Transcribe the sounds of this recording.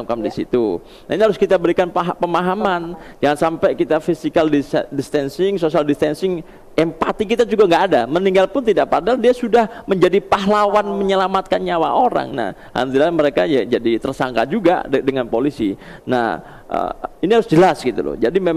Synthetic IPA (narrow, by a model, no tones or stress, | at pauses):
kamdisḭt̪u | na̰iniɦaɾʊskit̪abəɾikanpaɦpəmaɦaman | d͡ʒaŋansampɛjkit̪afisikaldisdist̪ɛnsɪŋsosialdist̪ɛnsɪŋ | ɛmpat̪ikit̪ad͡ʒuɡaŋɡaʔːdaməniŋɡalpʊnt̪idaʔpadaldiasudahməɲd͡ʒadipaɦlawanməɲəlamat̪̚kanɲawa̰ʔoɾa̰ŋna̰h | ha̰nt̪ilaməɾeka̰jad͡ʒadit̪ərsaŋka̰d͡ʒuɡa̰dəŋanpolisina̰h | ə̰iniɦaɾʊsd͡ʒəlasɡit̪ṵlʊ̰d͡ʒadime